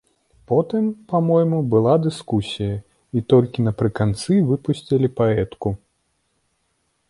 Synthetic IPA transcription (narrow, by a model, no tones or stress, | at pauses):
pɔt̪ɨmpamɔjmubɨlˠad̪ɨskusʲijɐ | it̪ɔlʲkʲinɐpɾɨkant̪sɨvɨpusʲt͡sʲilʲipaɛt̪ku